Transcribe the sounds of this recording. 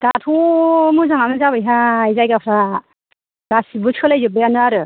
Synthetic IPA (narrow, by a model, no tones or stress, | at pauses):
ɡ̥atʰumuzaŋanɯzaβɯjɦaizajɡapʰɾa | ɡ̥asibuskʰɯlajzɯbɯjanɯaɾɯ